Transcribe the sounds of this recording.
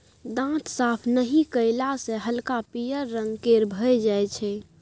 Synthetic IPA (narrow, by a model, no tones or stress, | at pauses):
d̪ãt̪ʰsapʰnəɦikəɪlaseɦəlkapijəɾːə̃ŋɡkeɾbʱəjd͡ʒajt͡ʃʰɛ